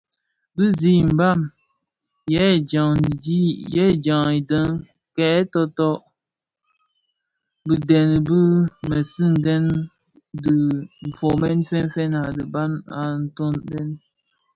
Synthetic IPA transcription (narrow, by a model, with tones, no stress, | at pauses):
bɨ˦zi˦˨m̩˨ba˦˨m | jɛ˦˨d͡ʒa˨ŋ˨di˦jɛ˦˨d͡ʒa˨ŋi˨də˦ŋ | kɛ˨ɛ˦tɔ˦tɔ˦ʔ | bɨ˨dɛ˨n˨bɨ˦mə˨sɨ˦n̩˨dɛ˦n | dɨ˨m̩˨fo˨mɛ˦nfɛ˦n˦fɛ˦na˨dɨ˨ba˦na˨n̩˦to˦nbɛ˦n